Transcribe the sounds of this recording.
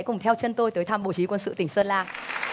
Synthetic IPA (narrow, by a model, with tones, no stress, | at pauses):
jkʊ˨˩ŋ͡mt̪ʰɛ˧wt͡ɕə˧nt̪o˧jt̪əː˨˦jt̪ʰaː˧˩mɓo̰˧˨t͡ɕi˨˦kwə˧nsɨ̰˧˨t̪ï˧˩ŋ̟səː˧nlaː˧˩